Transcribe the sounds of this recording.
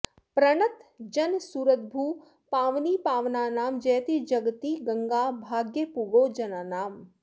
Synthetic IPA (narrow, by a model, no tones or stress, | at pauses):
pɾɐɳɐt̪d͡ʒɐnsuːɾət̪̚bʱuː | paːʋniːpaːʋnaːnaːmd͡ʒɛːt̪id͡ʒɐɡt̪iɡɐŋɡaːbʱaːɡjəpuɡoːd͡ʒɐnanaːm